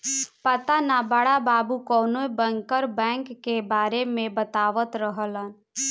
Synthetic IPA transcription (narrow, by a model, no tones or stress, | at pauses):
pət̪anabəɽababukɔːnoibəŋkəɾbɛ̃ŋkːebaɾemẽbət̪aʋət̪ɾəɦələn